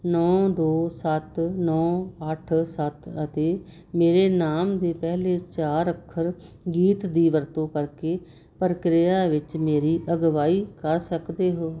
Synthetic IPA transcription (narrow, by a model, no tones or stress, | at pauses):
nɔːd̪oːsət̪nɔːəʈʰsət̪ət̪eː | meːɾeːnaːmd̪eːpɛɦleːt͡ʃaːɾəkʰːəɾ | ɡiːt̪d̪iːʋəɾt̪õːkəɾkeː | pəɾkɾɪjaːʋɪt͡ʃmeːɾiːʔəɡʋaːiːkəɾsəkd̪eːɦoː